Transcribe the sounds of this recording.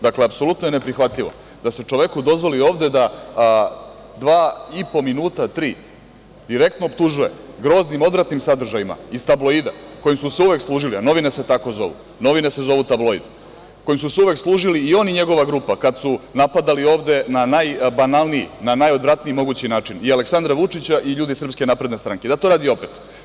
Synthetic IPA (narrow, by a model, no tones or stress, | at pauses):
d̪akleapso̞lˠut̪nojene̞pɾixʋat̪ʎiʋo̰ | d̪aset͡ʃo̞ʋe̞kud̪o̞zʋo̞lio̞ːʋd̪e̞d̪a | d̪ʋaːipo̞minuːt̪at̪ɾiː | d̪̥iɾe̞kt̪no̞opt̪uʒuje̞̰ɡɾo̞ːznimo̞d̪ɾat̪nimsad̪r̩ʒajima̰ist̪ablo̞id̪a̰ko̞jimsuseuʋe̞kslˠuːʒiliano̞ʋine̞se̞t̪ako̞zo̞̰ʋṵ | no̞ʋinese̞zo̞ʋut̪ablo̞ḭd̪ | kojimsuseuʋekslˠuːʒiliːo̞niɲe̞ɡo̞ʋaɡɾuːpakad̪sunapad̪alio̞ːʋd̪e̞nanajbanalˠnijḭnanajo̞d̪ʋɾat̪niimo̞ɡut͡ɕinaːt͡ʂinialeksand̪ɾaʋut͡ʂit͡ɕaʔiʎuːd̪isrpske̞napɾed̪ne̞st̪ɾaŋked̪at̪o̞ɾaːd̪io̞pet̪